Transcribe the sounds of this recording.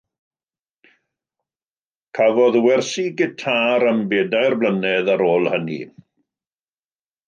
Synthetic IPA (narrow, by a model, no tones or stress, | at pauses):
kʰavɔðwɛrsiɡɪtʰaɾəmbeːdajrblˠənɛðaɾoːlˠhənḭ